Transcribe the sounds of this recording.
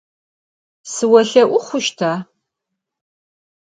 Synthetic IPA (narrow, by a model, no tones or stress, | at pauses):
sɨwɐɬɐʔʷʊχʷʊʃtʰaː